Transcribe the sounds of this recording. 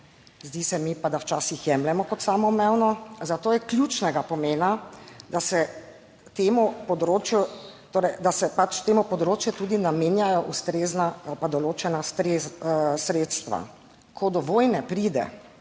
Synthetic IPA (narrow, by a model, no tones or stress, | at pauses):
zd̪iːsɛmipad̪awt͡ʃaːsixjɛmlɛmɔkɔt̪saːmɔmɛwnɔzat̪oːjɛklʲjuːt͡ʃnɛɡapɔmeːnad̪asɛ | t̪eːmɔpɔd̪ɾoːt͡ʃjut̪oːɾɛjd̪asɛpat͡ʃt̪eːmɔpɔd̪ɾoːt͡ʃjɛt̪uːd̪inameːnjajɔʔust̪ɾeːznaalpad̪ɔloːt͡ʃɛnast̪ɾesɾeːt̪st̪ʋa̰ | kʰɔd̪ɔʋoːjnɛpɾid̪ɛ̰